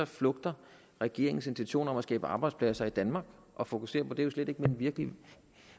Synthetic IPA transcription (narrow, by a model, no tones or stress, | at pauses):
ɐflɔ̽ɡ̥d̥ɐ | ʁɛɡ̥e̝ɐ̰eŋn̩se̝nt͡sʰiuɕo̝̰ːnɐɒ̽mæsɡ̥ɛ̰ːb̥əɑ̈ːb̥ɑ̈ɪd̥spʰlæsɐid̥ænmɑ̈ːɡ̥ | ʔɒ̽fo̝kʰu̥se̝̰ːɐpʰɒ̽d̥e̝josled̥e̝ɡ̥menʋiɐɡ̥li